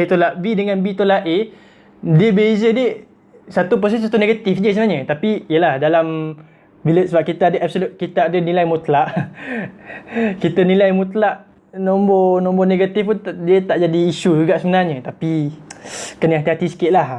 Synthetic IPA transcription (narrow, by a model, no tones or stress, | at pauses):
it̪olaʔbidəŋãnbit̪olaʔʔe | diəbezədiə | sat̪up̬ɾos̬ɛsat̪uneɡat̪ifd͡ʒəsəmənaɲət̪apijəlahdalam | biləʔ̪səbap̚kit̪aadəʔap̚solut̪̚kit̪aadənilajmut̪laʔ | kit̪ənilajmut̪laʔ | nɔmbɔnɔ̃mbɔneɡat̪ifpundiət̪aʔd͡ʒadiːʃud͡ʒuɡaʔsəmənarɲət̪api | kənəɦat̪iɦat̪isə̥kɪt̪ʔ̪̚lah